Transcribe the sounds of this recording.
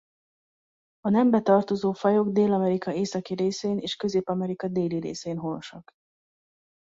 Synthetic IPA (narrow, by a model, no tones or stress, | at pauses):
ɒnɛmbɛt̪ɒrt̪o̞zoːfɒjo̞ɡd̪eːlɒmɛɾikɒeːsɒkiɾeːseːneːʃkø̞zeːpɒmɛɾikɒd̪eːliɾḛːseːnɦonoʃɒk